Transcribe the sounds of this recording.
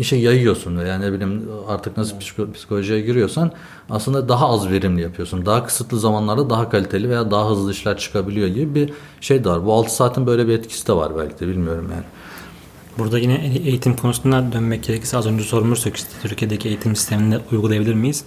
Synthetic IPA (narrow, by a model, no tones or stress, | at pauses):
iʃɛjːajɯjo̞ɾsunvejaːnebilʲimaɾt̪ʰɯknasɯlˠpspʰi̥si̥kʰolʲoʒijɛɟiɾijo̞ɾsan | aslˠɯnd̪ad̪aɦaazveɾimlʲijapʰɯjo̞sund̪aɦakʰɯ̥sɯt̪lˠɯzamanlˠaɾd̪ad̪aɦakʰalʲit̪ʰe̞lʲive̞jaːd̪aɦaɦɯzlˠɯɯʃlˠaɾt͡ʃʰɯ̥kʰabilʲijo̞ɟibibi | ʃe̞jd̪ɛvaɾbualˠt̪ʰɯ̥saːt̪ʰinbø̞jlʲebiɛt̪cʰi̥sid̪ɛva̰ɾbæ̰lʲcʰid̪ɛbilʲmijo̞ɾumja̰ːnɪ | buɾd̪ajinɛejit̪ʰimkʰo̞nusunad̪ønmɛc̚ɟe̞ɾecʰiɾsɛazø̞nd͡ʒɛso̞ɾumˠuɾsøcʰy̥st̪ʰɛ̥t̪ʰyɾcʰijed̪ecʰiejit̪ʰimsi̥st̪ʰe̞mind̪ɛujɡulˠajabilʲiɾmijiz̥